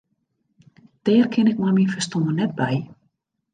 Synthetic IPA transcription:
d̥ɛːrkʰɪnɪkmaminfəstɔmənɛt̚bɛj

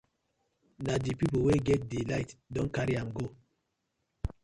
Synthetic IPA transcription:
nadipipoweɡɛt̚dilaɪtdɔ̃nkaɾiãmɡo

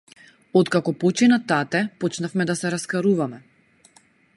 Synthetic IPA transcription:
ɔt̪kakɔpɔt͡ʃinat̪at̪ɛpɔt͡ʃnafmɛd̪asɛɾaskaɾuvamɛ

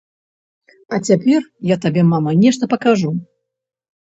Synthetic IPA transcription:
ɐt͡sʲapʲɛrjat̪abʲɛmamɐnʲɛʂt̪ɐpɐkaʐu

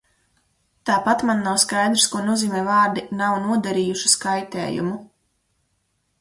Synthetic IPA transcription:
t̪aːpat̪manːawskajd̪ɾskuɔnuɔziːmɛːvaːɾd̪inawnuɔd̪aɾiːjuʃi̥skajt̪ɛ̰ːjṵmu

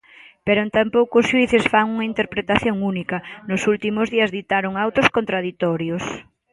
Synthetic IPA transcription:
peɾont̪ampowkoʊsʃuiθɪsfaŋuŋɐint̪eɾpɾet̪aθjoŋunikɐnʊsult̪imʊzðiɐzðit̪aɾʊŋawt̪oskont̪ɾaðit̪ɔɾjos

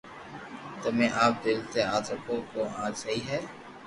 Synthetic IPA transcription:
t̪ʊmẽːʔaːp̚d̪ɪlt̪eaːt̪əkõkoʔãːt͡ʃsɐɦiɦɛː

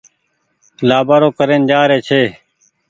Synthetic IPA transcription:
laːbaːɾoːkəɾeːnd͡ʒaːɾeːt͡ʃʰeː

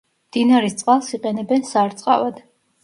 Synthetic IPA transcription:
md̪̥inaɾist̪sʼqʼalˠsiqʼɛnɛbɛnsaɾt̪sʼqʼa̰vad̪̥

